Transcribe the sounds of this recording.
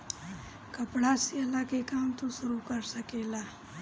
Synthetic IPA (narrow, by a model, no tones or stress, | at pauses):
kɐpɽaːsiɐlaːkekaːmt̪osʊɾuːkɐɾsɐkeːlaː